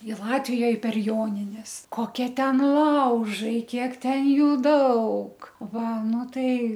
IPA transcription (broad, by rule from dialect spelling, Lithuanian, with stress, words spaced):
ɪ ˈlˠɑːtʲʋʲɪjoːj pʲɛr ˈjoːnʲɪnʲɛs koːˈkʲiɛ ˈtʲɛn ˈlˠɐʊʒɐɪ ˈkʲiɛk ˈtʲɛn ˈjuː ˈdɐʊk ˈʋɐ ˈnʊ ˈtɐɪ